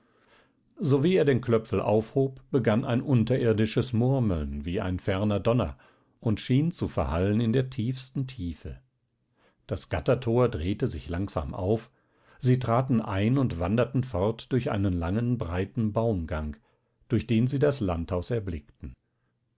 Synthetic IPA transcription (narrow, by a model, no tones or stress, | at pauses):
zoviːeːɐdeːnkʰlœp͡fl̩ʔa̰ʊfhoːpb̥əɡanʔa̰ɪnʔʊntɐʔɪɐdɪʃəsmʊɐməl̩nviːa̰ɪnfɛɐnɐdɔnɐ̰ | ʔʊntʃiːnt͡sufɛɐhalənɪndeːɐtʰiːfstn̩tʰiːfə̰ | d̥asɡ̥atɐtʰoːɐdʁeːtəzɪçlaŋz̥a̰ːmʔa̰ʊf | z̥iːtʁ̥aːtn̩ʔaɪnʊntv̥andɐtn̩fɔɐtd̥ʊɐçʔa̰ɪnənlaŋənbʁaɪtn̩baʊmɡaŋk | d̥ʊɐçd̥eːnziːdaslanthaʊsɛɐblɪktn̩